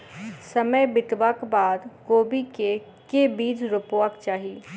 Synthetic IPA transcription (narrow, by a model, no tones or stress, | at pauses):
sɐməjbɪt̪ʋakbaːd̪koːbike | kebiːd͡ʒɾʊpoʋəkt͡ʃaːɦiː